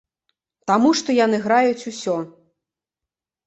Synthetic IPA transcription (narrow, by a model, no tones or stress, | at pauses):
t̪amuʂt̪ɔjanɨɣɾajut͡sʲusʲɔ